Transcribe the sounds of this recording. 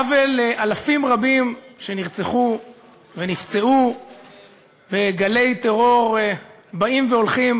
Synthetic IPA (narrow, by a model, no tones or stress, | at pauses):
aveleʔalafimʁabimʃe̞niʁt͡seχu | venift͡se̞u | beɡale̞jt̪e̞ʁo̞ʁ | baimveolχim